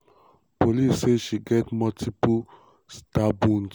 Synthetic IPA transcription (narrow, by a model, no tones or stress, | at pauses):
polisːeʃiɡɛtmɔtʰipu | stabũns